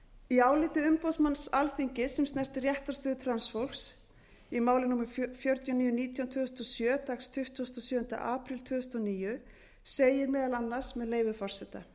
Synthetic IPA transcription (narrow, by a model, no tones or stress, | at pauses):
iaːwlɪːt̪ɪʏmpowsmansalθiɲcɪsɛmst̪nɛr̥t̪ɪrjɛht̪aɾst̪œːðɪt̪ʰɾansfowlks | imaːwlɪnuːmɪɾfjɔɾt̪janiːjʏniːt̪ʰjawnt̪ʰʏːðʏst̪ɔsjœːt̪akst̪ʰʏht̪ːst̪ɔsjœːʏnt̪a̰ʔaːpɾɪlt̪ʰvʏːðʏst̪ɔniːjʏ | seːjɪɾmɛːðalanːḁsmɛðleːjvʏfɔr̥sɛt̪a̰